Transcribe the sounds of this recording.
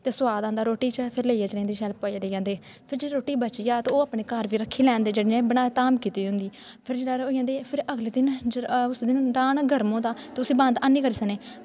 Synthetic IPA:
t̪eːsʊwaːd̪ãːnd̪aːɾoːʈiːt͡ʃəpʰɪɾleiaːt͡ʃɾẽːnd̪iːʃɛːlpaːileːjãːnd̪eː | pʰɪɾd͡ʒeːiːɾoːʈiːbət͡ʃiːaːt̪eoːaːpɳeːkəɾʋiːɾəkʰːiːlɛ̃ːnd̪eːd͡ʒeːɽeːnẽːbəɽ̃aːt̪aːmkiːt̪iːɦʊ̃nd̪iː | pʰɪɾd͡ʒeːɽaːoːijãːnd̪eːpʰɪɾəɡleːd̪ɪnʊsd̪ɪnɾaːnɡʱəɾmõːnd̪aːt̪eːʊsiːbãːnd̪anːiːkəɾiːsəneː

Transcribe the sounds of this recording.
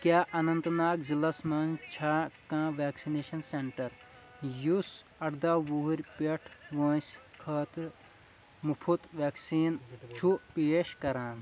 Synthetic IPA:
kjaːʔɐnɐnt̪naːkzilɐsmɐnt͡ʃʰaːkãːʋaːksineːʃɐnseɳʈɐɾ | jus | ɐɽd̪aːʋuːɦuɾʲpeʈʰʋɐ̃ːsʲkʰɐːt̪ɾ | mupʰut̪ʋaːksiːnt͡ʃʰupeːʃkɐɾãːn

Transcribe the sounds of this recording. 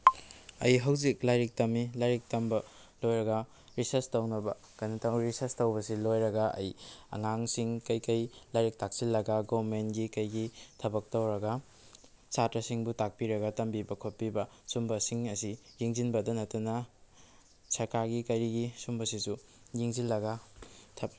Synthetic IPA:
ɐ̰jɦɐwzik̚lajɾik̚tɐmilajɾik̚tɐmbɐ | lojɾɐɡɐ | ɾisɐɾstɐwnɐbɐ | kɐjnɐtʰaŋɾisɐɾstɐwbɐsilojɾɐɡɐɐ̰jɐ̰ŋaŋsiŋkɐjkɐjlajɾik̚tʰak̚silːɐɡɐɡowɾmenɡikɐjɡitʰɐbɐk̚towɾɐɡɐ | t͡ʃatɾɐsiŋbutak̚piɾɐɡɐtɐmbibɐkʰot̚pibɐ | sumbɐsiŋɐsiɾiŋzinbɐdɐnɐtunɐ | sɐɾkaɾɡikɐjɾiɡisumbɐsisu | jiŋzilːɐɡɐtʰɐ

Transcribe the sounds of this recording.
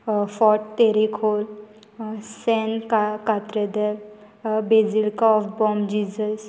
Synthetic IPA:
fɔʈt̪eɾikʰol | sɛnkakat̪ɾed̪el | bed͡zilkaɔfbɔmd͡ʒid͡ʒəs

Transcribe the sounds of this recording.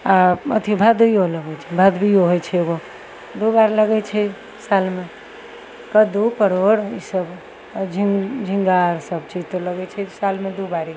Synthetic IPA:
aə̰t̪ʰibʱad̪bijoləɡɛt͡ʃʰɛbʱad̪bijoɦojt͡ʃʰɛeɡo | d̪ubaɾləɡɛt͡ʃʰɛ | salme | kəd̪upəɾoɽisəb | d͡ʒʱiŋd͡ʒʱiŋɡaɾsəbt͡ʃid͡ʒt̪oləɡɛt͡ʃʰɛsalmed̪ubaɾi

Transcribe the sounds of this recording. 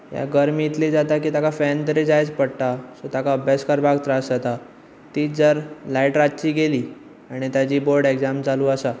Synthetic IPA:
ja̰ɡəɾmit̪lid͡zat̪ak̬iːt̪akafɛnt̪əɾid͡zajt͡spəɽʈ̪asot̪akaəbʱjaskəɾbʱaɡt̪ɾasd͡zat̪a | t̪iːd͡zəɾlaiʈɾatːt͡ɕiːɡeliː | aɽ̃it̪jad͡ʑiːboɾɖeɡd͡zamd͡zaluːəsa

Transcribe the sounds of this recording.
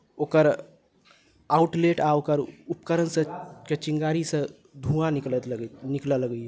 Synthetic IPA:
okəɾ | auʈleʈaokəɾupkəɾənsə̃ket͡ʃiŋɡaɾisə̃ | d̪ʱũanikəɡniklələɡi

